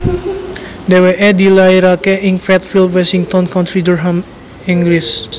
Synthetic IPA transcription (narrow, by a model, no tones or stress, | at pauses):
d̪ɛwɛʔɛdilajɾakɛʔĩŋfɹɛt̪filwɛsĩŋt̪ɔ̃nkãntɹidɔɹɦãm | ĩŋɡlis